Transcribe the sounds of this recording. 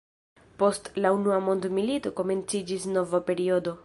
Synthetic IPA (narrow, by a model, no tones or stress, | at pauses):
po̞stlaunuamo̞nd̪milito̞ko̞me̞nt͡sid͡ʒisno̞vape̞ɾio̞do̞